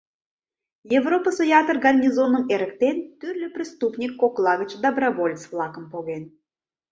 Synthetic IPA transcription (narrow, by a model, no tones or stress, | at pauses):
jevropəsojɑt̪ərɡɑnʲːizonəmeɾə̆kt̪ent̪yrlʲɘprʲist̪upnʲikːoklˠɑɣət͡ɕd̪əbrɑvolʲt͡sflˠɑkə̆mpoɣen